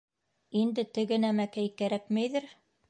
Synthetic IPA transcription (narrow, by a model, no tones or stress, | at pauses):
ind̪ɘt̪ɘ̆ɡɘ̆næmækæjkæɾækmæjðɘɾ